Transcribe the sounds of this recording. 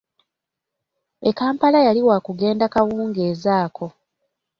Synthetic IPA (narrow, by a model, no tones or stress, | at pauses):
ekaːmpalajaliwaːkuɡe̞ːndakawuːŋɡe̞ːzaːkʰo̞